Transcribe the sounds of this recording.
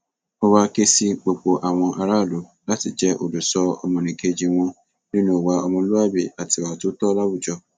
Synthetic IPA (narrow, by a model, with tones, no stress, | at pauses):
o˦wa˧ke˦si˧k͡po˨k͡po˨ʔa˨w̃ɔ̃˧ʔa˧ɾa˦˨lo˨˦la˦ti˨d͡ʒɛ˦ʔo̰˨du˨sɔ˧ɔ̰˧mɔ̃˧nĩ˨ke˧d͡ʒi˧w̃ɔ̃˧ | nĩ˦nũ˦˨wa˧˦ɔ˧mɔ̃˧˦lu˦a˦˨be˨a˨ti˨wa˨˦tu˦tɔ˦la˦wu˦˨d͡ʒɔ˧